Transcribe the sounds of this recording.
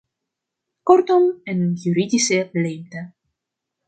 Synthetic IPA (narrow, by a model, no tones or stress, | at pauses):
kɔrtɔmɛnənjyɾidisəlejmtə